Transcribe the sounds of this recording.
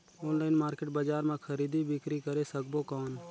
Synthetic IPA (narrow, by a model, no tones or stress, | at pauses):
oːnlaːɪnmaːɾkɪʈ̚baːd͡ʒaːɾmãkʰəɾiːd̪ibɪkɾikəɾeːsək̚boːkɔːn